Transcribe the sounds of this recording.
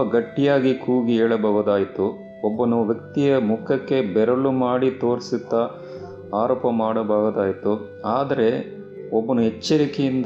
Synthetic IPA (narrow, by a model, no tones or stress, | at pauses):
ɐɡɐʈːijaːɡikuːɡiɦɛːɭɐbɐɦud̪aːjit̪u | ɔbːɐnuʋjɐkt̪ijɐmukʰɐkːe̞bɛɾɐlumaːɽit̪o̞ːɾisid̪ːɐ | aːɾoːpɐmaːɽɐbɐːɣɐd̪aːjit̪u | aːd̪ɐɾe̞ | ɔbːɐnuɦɛt͡ʃːɐɾikɛjind̪